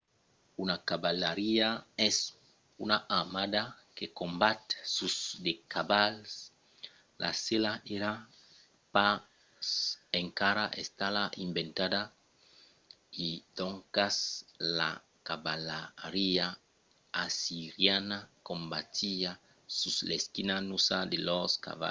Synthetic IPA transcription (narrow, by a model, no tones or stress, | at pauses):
unakaβalaɾiaɛs | unaʔamada | kekombat̪susdekaβals | lʔa̰selaʔeɾa | pa | seŋkaɾaʔest̪alaʔimbent̪ada | id̪oŋkasla̰ | kaβalaɾia | asiɾjanakombat̪ia | susleskinanusad̪eloska̰βa̰